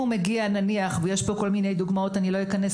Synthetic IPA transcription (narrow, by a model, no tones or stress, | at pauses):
umeɡiananiaχveje̞ʃbo̞ko̞lminejd̪uɡmao̞t̪anilo̞jikanes